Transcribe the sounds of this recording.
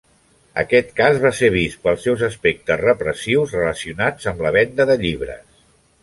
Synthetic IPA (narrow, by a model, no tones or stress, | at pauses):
ə̰kɛt̪kazβaseβ̞ist̪pəlˠsɛwzəspek̚t̪əzrəpɾəsiwzrələsiunad͡zəmləβɛnd̪əðəʎiβ̞ɾə̰s